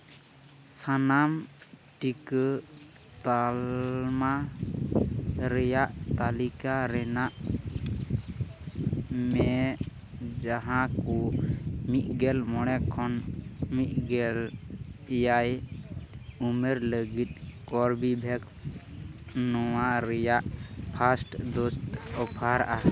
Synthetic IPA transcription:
sanamʈikə | t̪alma | ɾɛjaʔt̪alikaɾɛnaʔ | mɛ | d͡ʒaɦãkumiʔ̪̚ɡɛlmɔɽ̃ɛkʰɔnmiʔ̪̚ɡɛl | jaj | umeɾləɡit̪̚ˀkɔɾbibʱɛks | nɔwaɾɛjaʔpʰasʈd̪ɔst̪ɔpʰaɾaʔa

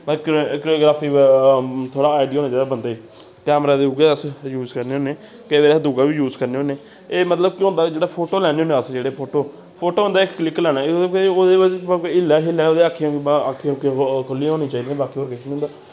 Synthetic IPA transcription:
kkɾoːɡɾaːpʰiː | t̪ʰoːɽaːaːɖiːoːnẽːt͡ʃaid̪aːbənd̪aːiː | kɛːmɾaːd̪eːʊɡeːəsjuːzkəɾneːoːneː | keʋeːɾsd̪uɡaːʋiːjuːzkəɾneːoːneː | eːmət̪ləb̚kĩːɦʊnd̪ad͡ʒeːɽaːpʰoːʈoːlɛːñeːoːnẽəsd͡ʒeːɽeːpʰoːʈoː | pʰoːʈoːɦʊ̃nd̪aːɪkːlɪklɛːnaːoːd̪eːəd͡ʒɪlːaːɦɪlːãːoːd̪eːaːkʰːiãakʰːiõkkʰʊlːiɦoːniːt͡ʃaːiːd̪iẽbaːkiːoːɾkɪsnĩːnd̪aː

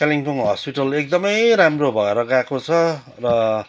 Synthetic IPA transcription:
kaliŋpuŋɦʌspiʈʌlek̚d̪ʌmʌjɾamrobʱʌeɾʌɡakot͡sʰʌ | rʌ

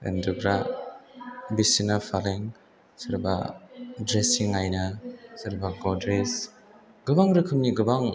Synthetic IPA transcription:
ɯ̰ndɯɡɾa | bisinafʰaleŋ | sɯɾbadɾesiŋajnasɯɾbaɡɔdɾes | ɡ̥ɯbaŋɾɯkʰɯmniɡɯbaŋ

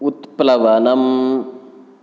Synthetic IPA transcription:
ʊt̪plɐʋɐnɐm

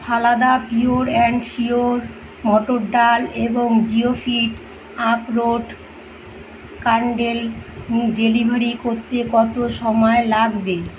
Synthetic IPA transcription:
pʰalad̪apioɾɛɳɖʃioɾ | mɔʈoɾɖaleboŋd͡ʑiofiʈ | apɾoɖ | kaɳɖel | ɖelibʱaɾikoɾt̪ekɔt̪oʃɔmɔelaɡbe

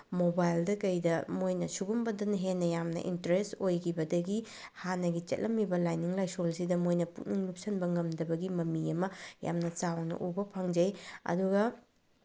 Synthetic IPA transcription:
mobajldɐkɐjdɐmojnɐsuɡumbɐdɐnɐɦenːɐjamnɐ̰ʔḭntɐɾestojkʰibɐdɐɡi | hanɐɡit͡ʃɐ̰t̚lʔɐmːibɐlajniŋlajsolsidɐmojnɐput̚niŋlup̚sɐnbɐŋɐmdɐbɐɡimɐmiɐmɐja̰mnɐt͡ʃawnɐ̰ʔubɐpʰaŋd͡ʒɐjɐ̰duɡɐ

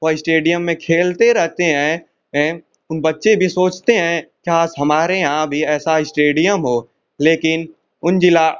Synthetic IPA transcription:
ʋɐɪsʈeːɖijəmːẽkʰeːlt̪eɾɛɦt̪eɦɛ̃ | ʊnbɐtːʃebʱisoːt͡ʃt̪eɦɛ̃kjaːsɦɐmaːɾeãbʱiɛːsaɪsʈeːɖijəmɦoː | leːkɪn | ʊnd͡ʒɪla

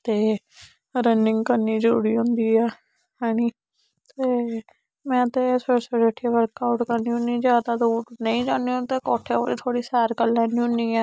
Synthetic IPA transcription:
t̪eː | ɾənɪ̃ŋɡkəɾniːd͡ʒəɾṵːɽiːɦʊ̃nd̪iːɛː | haːɽ̃iː | t̪eː | mɛ̃ːt̪eːsesoɾeʈʰiaʋəɾkaːʊʈkəɾnĩːɦʊ̃niːd͡ʒaːd̪aːd̪uːnəĩːd͡ʒãːnd̪iõːt̪eːkɔːʈʰeːo̰ːɽḭt̪ʰoːɽiːsaːɾkəlːɛːnĩɦʊ̃niːɛː

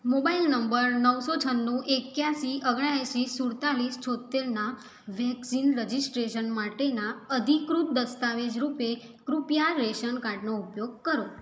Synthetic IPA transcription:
mobailnəmbəɾnəwsot͡ʃʰənːuʔekjaʃiʔəɡɽ̃ajaʃisuɽt̪aɭist͡ʃʰot̪ːeɾna | ʋɛksinɾəd͡ʒisʈɾeʃənmaʈenaəd̪ʱikɾut̪̚d̪əst̪aʋed͡ʒɾupe | kɾupjaɾeʃənkaɾɖnoupjoɡ̚kəɾo

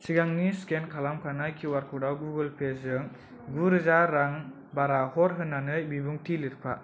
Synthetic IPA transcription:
siɡaŋniskenkʰalamkʰanajkʰiwaɾkʰɔdawɡuɡɯlpʰesɯŋ | ɡuɾɯzaɾːaŋ | baɾahɔɾɦɯnːanɯjbibuŋtʰilɯtpʰa

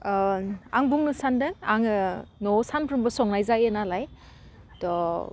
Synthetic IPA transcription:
a̰ŋbuŋnɯsandɯŋa̰ŋɯnɔsanpʰɾɯmbɯsɔŋnajzajenalaj | tɔ

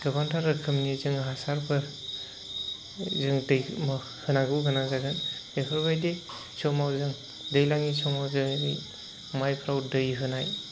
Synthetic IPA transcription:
ɡ̥əbandʰaɾɯkʰɯmnizɯŋɦasaɾpʰɯɾ | zɯŋdɯjm | hɯnaɡɯwɡɯnazaɡɯnekʰɯɾbajde | t͡ʃʰɔmawzɯŋ | dɯjlaŋisʰɔmawzɯnḭ | majpʰɾawdɯjɦɯnaj

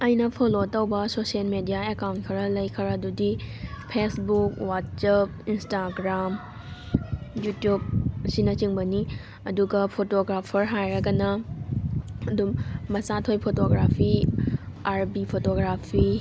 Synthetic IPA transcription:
ɐjnɐpʰolotɐwbɐsosielmedijaekawntkʰɐɾɐlɐjkʰəɾɐdudipʰesbukwat̚sɐp̚instaɡɾam | jutjub̚sinɐt͡ʃiŋbɐni | ɐduɡɐpʰotoɡɾapʰɐɾɦajɾɐɡɐnɐ | ɐdummɐsatʰojpʰotoɡɾapʰi | aɾbipʰotoɡɾapʰi

